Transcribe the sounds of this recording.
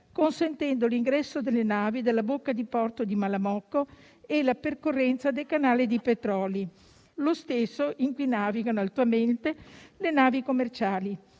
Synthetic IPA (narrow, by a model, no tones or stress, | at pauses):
konsent̪ɛnd̪oliŋɡɾɛsːod̪elːenaːvid̪elːabokːad̪ipɔrt̪od̪imalamɔkːo | elaperkorːɛnt̪sad̪elkanaːlid̪ipet̪ɾɔːli | lost̪esːoʔiŋkwunaːviɡanoalt̪uament̪elenaːvikomːert͡ʃaːli